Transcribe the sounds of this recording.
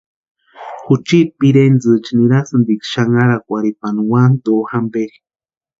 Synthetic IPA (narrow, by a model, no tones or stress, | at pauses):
xut͡ʃipiɾend͡zɨt͡ʃiniɾasɨnd̪ikʃaŋaɾakʷaɾipanwand̪oxambeɾi̥